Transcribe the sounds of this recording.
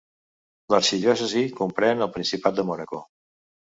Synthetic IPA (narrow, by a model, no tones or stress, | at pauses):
ləɾsiðiɔsəzikumpɾɛnəlˠpɾinsipat̪̚d̪əmɔnəko